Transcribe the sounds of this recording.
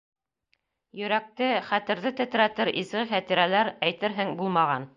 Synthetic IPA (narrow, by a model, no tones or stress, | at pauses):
jɵ̆ɾæk̚t̪ɘχæt̪ɘ̆ɾðɘt̪ɘ̆t̪ɾæt̪ɘɾʔizɡɘχæt̪iɾælæɾæjt̪ɘɾɦɘŋbulˠmɑʁɑn